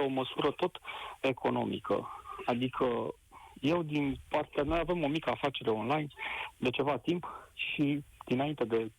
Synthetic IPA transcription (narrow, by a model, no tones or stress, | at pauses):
o̞məsuɾət̪o̞t̪e̞kʰo̞no̞̰mḭkʰə̰ad̪ikʰə | je̞wd̪inpart̪eamaave̞mo̞mikəafat͡ʃe̞ɾe̞o̞nlajnd̪e̞t͡ʃe̞vat̪impʃid̪̥inaint̪e̞d̪e̞